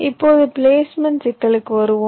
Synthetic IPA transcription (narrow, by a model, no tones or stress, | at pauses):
ɪppːoːðɯpleːsmɛnʈsɪkːɐɭɯkːɯʋɐɾɯʋõ